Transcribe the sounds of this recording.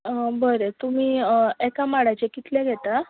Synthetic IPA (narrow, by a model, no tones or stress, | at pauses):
əbəɾet̪um̤iːekamaɽajt͡ɕekit̪lẽɡʱet̪a